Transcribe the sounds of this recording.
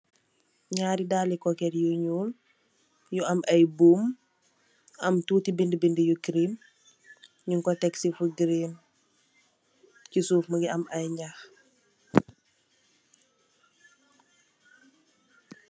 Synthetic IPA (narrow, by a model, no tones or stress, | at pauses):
ɲaːɾidaːlikɔkɛɾjuɲuːl | juɐmʔɐjbuːm | ɐmtuːtibindibindijukɾim | ɲuŋkɔtɛksifuɡɾem | cisuːfməɡiɐmɐjɲax